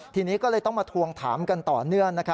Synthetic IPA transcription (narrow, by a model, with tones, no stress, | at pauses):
t̪ʰiː˧niː˦˥kɔː˥˩lɤː˧jt̪ɔ˥˩ŋmaː˧t̪ʰu˧əŋt̪ʰaː˩˦mka˧nt̪ɔː˨˩nɯ˥˩əŋna˦˥kʰa˦˥